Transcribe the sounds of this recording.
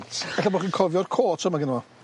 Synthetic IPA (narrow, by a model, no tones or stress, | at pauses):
tʰɛɬabɔχiːnkʰɔvjɔrkʰoːtʰəmaɡɪnmɔ